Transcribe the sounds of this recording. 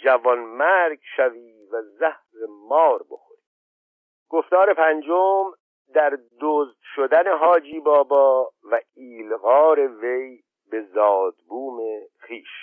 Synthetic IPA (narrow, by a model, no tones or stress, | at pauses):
d͡ʒævɒnmæɾɡʃæviː | væzæhɾemɒːɾbo̞̰xo̰ɾi̥ | ɡ̥oft̪ɒːɾe̞pʰænd͡ʒom | d̪æɾd̪oːzd̪̥ʃod̪æneɦɒːd͡ʒiːbɒːbɒːvæiːlɣɒːɾe̞ve̞j | be̞zɒːd̪buːmeχiːʃ